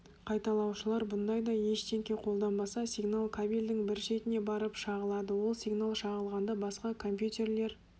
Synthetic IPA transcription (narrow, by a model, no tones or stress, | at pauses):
qʰɑjt̪ɑlˠɑwʃəlˠɑɾbʊnd̪ɑjd̪ɑje̞ʃt̪eŋkʲeqʰo̞lˠd̪ɑnbɑsɑsijɡnalˠkʰabilʲd̪ɪŋbɪɾʃe̞t̪ɪne̞bɑɾəpʃɑʁəlˠɑd̪əwo̞lˠsiɡnalˠʃɑʁəlˠʁɑnd̪ɑbɑsqɑkʰo̞mpjut̪ʲe̞rle̞ɾ